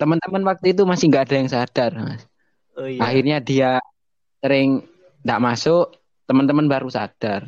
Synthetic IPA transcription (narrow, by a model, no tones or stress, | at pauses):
t̪əmənt̪əmənwak̚t̪uit̪̬umasɪhŋɡaʔadajaŋsad̥arma̰s | axirɲadia | səɾɪŋ | nd̪aʔmasʊʔ | t̪əmənt̪əmənbaɾusa̰d̥ar